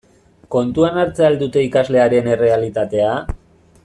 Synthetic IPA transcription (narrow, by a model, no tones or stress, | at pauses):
ko̞nt̪uanaɾt͡seald̪ut̪e̞ikazle̞aɾe̞ne̞re̞alit̪at̪e̞a